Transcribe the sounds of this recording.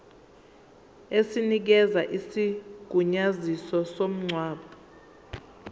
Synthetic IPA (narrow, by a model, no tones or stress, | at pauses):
esinik̬ɛzaʔisiɡ̥ʱuɲazisɔsom̩ŋ͡ǀʱwaːɓɔ